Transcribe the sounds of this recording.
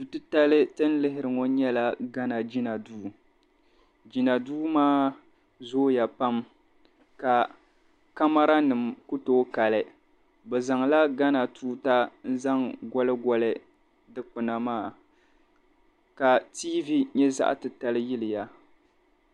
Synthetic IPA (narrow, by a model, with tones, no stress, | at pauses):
tu˨tɨ˦ta˦lɨ˦tɨ˦n˦lɪ˦ɦɪ˦ɾɨ˨ŋo˦ɲɛ˦la˦ɡa˦na˨d͡ʒi˦na˨duː˦ | d͡ʒi˨na˨duː˦maː˦ | zoː˦ja˨pa˦m | ka˨ | ka˦ma˦ɾa˦nɨ˨mku˦toː˦ka˨lɨ˨ | bɛ˨za˨ŋla˦ɡa˦na˨tuː˦ta˦n̩˦za˦ŋɡɔ˦lɨ˦ɡɔ˨lɨ˦ | dɨ˦k͡pɨ˨na˨maː˦˨ | ka˨tiː˦vi˦ɲɛ˦za̰˦ʔtɨ˨ta˦lɨ˦jɪ˦lɪ˨ja˨